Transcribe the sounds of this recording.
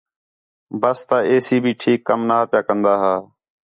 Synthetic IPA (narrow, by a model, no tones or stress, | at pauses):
bəst̪aːeːsiːbʱiːʈʰiːkːəmnaːpjaːkənd̪aːɦaː